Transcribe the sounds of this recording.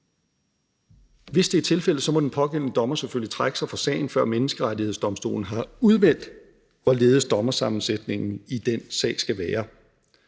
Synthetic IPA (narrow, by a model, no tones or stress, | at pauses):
ʋe̝sd̥e̝æɐt͡sʰe̝lfel̰əsɒ̽mɒ̽d̥enpʰɒ̽ɡ̥en̰nəd̥ɒ̽mɐseføl̰it͡sʰʁaɡ̥əsɑ̈ɪfɒsɛ̰ːɪn̩fɶɐ̰menəsɡ̥əʁaɾiheð̞̰ˠsd̥ɒ̽msd̥o̝̰ːln̩ɦɑ̈uð̞ˠmen̰d̥ | ʋɒleːð̞̩ˠsd̥ɒ̽mɐsɑ̈mn̩sed̥ne̝ŋn̩id̥en̰sɛ̰ːɪsɡ̥æʋæːɐ